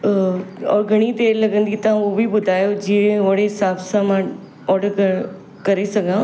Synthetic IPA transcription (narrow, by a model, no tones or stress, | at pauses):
ɔ̰ːɾɡʱɐɽ̃it̪eːɾlɐɡə̃nd̪it̪ɐʋ̤ãobʱibʊd̪ʱaːjod͡ʒiẽʋɐɽ̤eɦsaːbsãmã | ɔːɾɖəɾk | kɐɾesɐɡʱãː